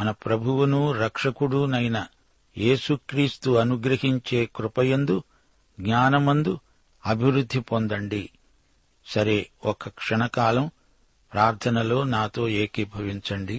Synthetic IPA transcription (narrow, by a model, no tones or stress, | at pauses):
mɐnɐpɾɐbʱuwunuɾɐkʂɐkuɽunɐjnɐ | jeːsukɾiːst̪uɐnuɡɾɐɦiɲt͡ʃe̞ːkɾupɐjɐnd̪u | ɡɲaːnɐmɐnd̪u | ɐbʱiwɾud̪ʱːipond̪ɐɳɖi | sɐɾe̞ɔkɐkʂɐɳɐkaːlɐm | pɾaːɾt̪ʰɐnɐlo̞ːnaːt̪o̞ːe̞ːkibʱɐʋiɲt͡ʃɐɳɖi